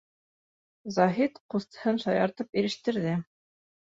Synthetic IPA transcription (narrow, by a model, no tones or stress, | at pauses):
zɑɦit̪qust̪ɤ̥̆hɤnʃɑjɑɾt̪ɤpiɾɘ̆ʃt̪ɘ̆ɾðɘ